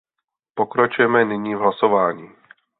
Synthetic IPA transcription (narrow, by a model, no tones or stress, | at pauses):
pokɾat͡ʃujɛmɛnɪɲiːvɦlasovaːɲiː